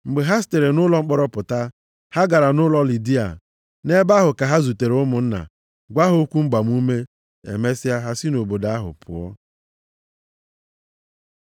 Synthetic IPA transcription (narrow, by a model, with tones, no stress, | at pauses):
ŋ͡m̩˨ɡ͡be˨ɦa˦s̬te˨ɾe˨nʊ˦lɔ˨ŋ͡m̩˦k͡pɔ˦ɾɔ˦pʊ˨ta˦ | ha˦ɡa˨ɾa˨nʊ˦lɔ˦li˨di˦a̰˨ | ne˦ba˦ɦʊ˨ka˨ɦa˦zu˨te˨ɾʊ˦mʊ˨n̩˦na̰˨ | ɡʷa˦ɦʊ˦kʷu˦ŋ͡m̩˦ɡ͡ba˨m˦u˦me˦ | ḛ˨me˦si˦a˦ɦa˦si˦no˨bo˨da˦ɦʊ̰˨pʰʊ̰˨ɔ̰˦